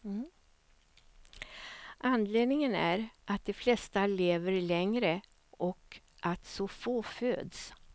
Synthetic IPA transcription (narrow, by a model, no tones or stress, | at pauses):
ʔanːd̪leːd̪nɪŋənæ̰ɾʔat̪̚d̪ɛflɛst̪aleːvəɾlɛŋɾə | ʔɔk | ʔalt̪sɔfoːføːd̪s